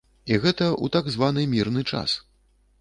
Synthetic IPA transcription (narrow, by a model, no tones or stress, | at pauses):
iɣɛt̪ɐʔṵt̪aɡzvan̪ɨmʲirnɨt͡ʂa̰s